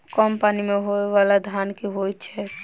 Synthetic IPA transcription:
kɔmpaːnimeɦoeʋalad̪ʱjankiɦojt̪t͡ʃʰɛ

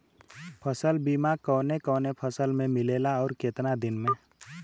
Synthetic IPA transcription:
pʰəsəlbiːmakɔːnekɔːnepʰəsəlmẽmɪleːlaɔːɾkeːt̪nad̪ɪnmẽ

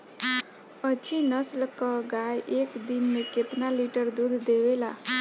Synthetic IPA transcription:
ət͡ʃʰinəslkəɡajʔekd̪inmeket̪naliʈəɾd̪ud̪ʱd̪ewela

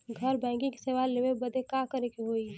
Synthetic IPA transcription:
ɡʱəɾbɛ̃ːŋkĩke̥seʋaleʋebɐd̪ʱekakəɾekeɦoːi

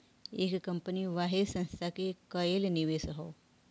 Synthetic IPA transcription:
ekkːəmpəniʋaɦed̪sə̃nst̪ʰakekəelniʋesɦo

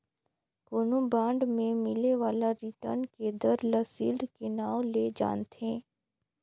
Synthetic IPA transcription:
koːnõbãːɳɖmẽmɪleʋaːlaɾɪʈə̰ɾnked̪əɾləsiːldkenaːwleːd͡ʒa̰ːnt̪ẽː

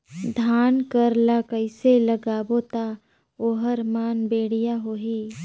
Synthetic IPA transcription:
d̪ʱaːnkəɾlakəɪseləɡaːbot̪a | oːɦəɾmaːnbeːɽ̤ijaɦoːɦiː

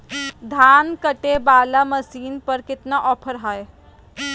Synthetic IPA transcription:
d̪ʱaːnkəʈebaːlaməsiːnpəɾkɪt̪naʔɔːpʰəɾɦaj

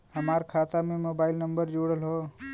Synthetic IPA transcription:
həmaɾkʰat̪amemobailnəmbəɾd͡ʒoɽəlɦo

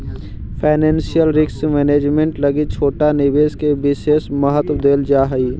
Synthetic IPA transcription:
pʰaːɪnɛ̃ːnsijəlɾɪksmɛːneːd͡ʒmẽɳʈləɡit͡ʃʰoːʈanɪbeːskebɪseːsməɦət̪wəd̪eːld͡ʒaːɦəiː

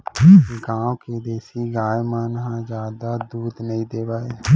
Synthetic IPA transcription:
ɡãːwkeːd̪eːsiːɡaːjmənɦãːd͡ʒjaːd̪aːd̪uːd̪nəĩːd̪eːʋaːeː

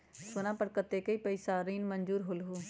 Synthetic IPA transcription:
sonãːpəɽkət̪ːeːkɐipəɪsaɾiːnmə̃nd͡ʒuːɾɦolɦuː

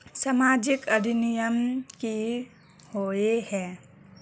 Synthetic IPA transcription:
samaːd͡ʒɪkɐd̪ʱinijəmki | hoehɛ̃ː

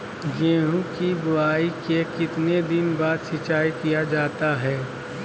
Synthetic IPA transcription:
jeːɦũkibʊaːikekɪt̪ned̪ɪnbaːd̪ʃɪt͡ʃaːikijad͡ʒaːt̪aɦɛː

